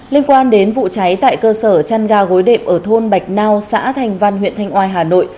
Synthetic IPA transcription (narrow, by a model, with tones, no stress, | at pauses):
li˧ənkwaː˧nɗe˨˦nvṵ˧˨t͡ɕa˨˦jt̪a̰ː˧˨jkəː˧səː˧˩t͡ɕaː˧nɣaː˧ɣo˨˦jɗḛ˧˨m̚ʔəː˧˩t̪ʰo˧nɓa˨˩jk̟̚naː˧wsa̰ː˧˥t̪ʰa˧jŋ̟va˧nɦwḭ˧˨ənt̪ʰa˧jŋ̟ʔwaː˧˩jɦaː˨˩no̰˧˨jʔ